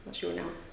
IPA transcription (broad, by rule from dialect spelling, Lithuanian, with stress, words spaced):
ˈɐʃ jɛʊˈnʲɛʊsʲɛ